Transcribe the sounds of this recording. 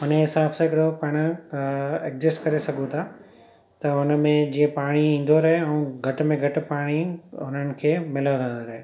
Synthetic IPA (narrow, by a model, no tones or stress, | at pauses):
ʊneɦɪsaːbsãɪkɪɾopɐɽ̃ʊ | ek̚d͡ʑɪskɐɾesɐɡʱũt̪ʰa | t̪ɐʊnə̆mẽd͡ʑiːə̃paːɽ̃iĩːn̆d̪oɾɐɦeɛũːɡʱɐʈʊ̆mẽɡʱɐʈʊ̆paːɽ̃iʊnənɪ̆kʰeːmɪlaʋʋɛ̃ːnd̪oɾɐɦe